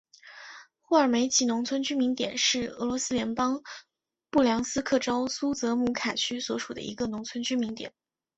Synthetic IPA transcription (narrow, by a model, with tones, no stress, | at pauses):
xwɔ˥˩ə˞˨˩me˧˥ɪt͡ɕʰi˧˥nʊ˧˥ŋt͡sʰwə˥nt͡ɕy˥mi˧˥ŋt̪jɛ̰˨˩nʂɻ̩˥˩ɤ˧˥lwɔ˧˥sɹ̩˥ljɛ˧˥npɑ˥ŋ | pu˥˩ljɑ˧˥ŋsɹ̩˥kʰɤ˥˩ʈ͡ʂɑ˥ʊsu˥t͡sɤ˧˥mu˧˥kʰa˨˩t͡ɕʰy˥swɔ˧˥ʂu˨˩d̪ə̰˦ḭ˧˥ɡə˧nʊ˧˥ŋt͡sʰwə˥nt͡ɕʰy˥mi˧˥ŋt̪jɛ̰˨˩˦n